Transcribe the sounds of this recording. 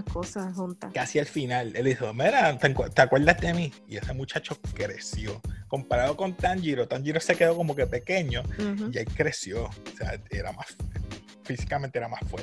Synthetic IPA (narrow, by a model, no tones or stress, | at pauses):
kosaɦunt̪akasialfinaleld̪ihomeɾat̪eŋkwet̪eakwe̞ɾd̪azd̪e̞mi | ie̞se̞mut͡ʃat͡ʃo̞kɾe̞sjo̞ko̞mpaɾaðo̞ko̞nt̪aɲd͡ʒiɾo̞t̪aɲd͡ʒiɾose̞ke̞ðo̞ko̞mo̞kepe̞ke̞ɲo̞iaikɾe̞sjo̞sea̰e̞ɾa̰mas | fisi̥kamẽnt̪e̞eɾamasfweɾt̪e